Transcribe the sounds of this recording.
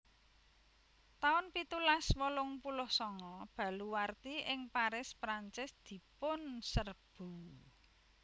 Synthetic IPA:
t̪aʊnpit̪ulaswɔlʊŋpulʊhsɔŋɔb̥ä̤luwart̪iɪŋpaɾɪspɾaɲt͡ʃɪsd̪̥i̤pʊnsərb̥ṳ

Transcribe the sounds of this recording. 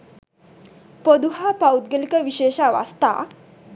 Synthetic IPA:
pəd̪uɦapawt̪̚ɡelikəʋiɕeɕaʋa̰st̪a̰

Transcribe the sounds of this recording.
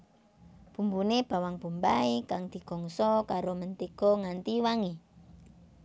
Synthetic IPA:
b̥umbuneb̥a̤waŋb̥ṳmbaikaŋd̪̥i̤ɡ̥ɔ̤ŋsɔkaɾomənt̪iɡ̥ɔ̤ŋant̪iwaŋi

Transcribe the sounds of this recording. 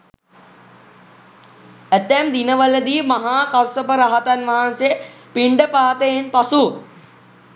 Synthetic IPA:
æt̪ːɛmd̪inəʋələd̪iːmaɦaːkasəpəɾaɦat̪anʋaɦansejə | piɳɖəpaːt̪əjenpasu

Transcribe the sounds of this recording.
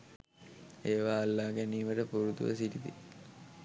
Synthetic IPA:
eːʋaːlːaːɡæniːməʈəpuɾut̪ṵʋə̰siʈit̪ḭ

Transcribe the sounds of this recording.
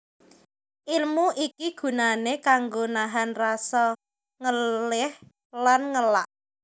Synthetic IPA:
ʔilmuʔikiɡ̥ṳnanekaŋɡonaɦanrasɔ | ŋəlɪh | lanŋəlaʔ

